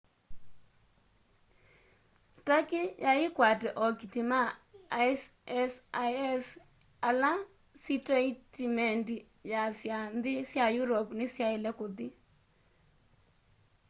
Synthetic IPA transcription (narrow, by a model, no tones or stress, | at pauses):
takijʔaɪkwatɛʔɔkitimaasɛsɛs | ala | sitɾɛitimɛnti | jasjanðɪsjajuɾɔpnɪsjaɪlɛkotɪ